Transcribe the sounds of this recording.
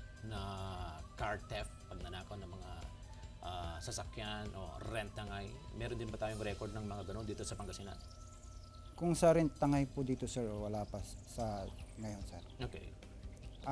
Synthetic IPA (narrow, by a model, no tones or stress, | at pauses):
nɐ | kaɹt̪ɛfpɐɡ̚nɐnaːkownɐŋmɐŋa | ʔasɐsɐkjanʔo̰ɾɛnt̪ːɐŋajmɛːɾond̪ɪnbɐt̪aːjoŋɾɛkoɹd̪nɐŋmɐŋaɡɐnond̪iːt̪o̞sɐpɐŋɡɐsina̰n | kʊŋsaɾɛnt̪ɐŋajpʊd̪iːt̪osɛɹowɐlaːpɐsɐŋɐjonsɛɾokɛ̰j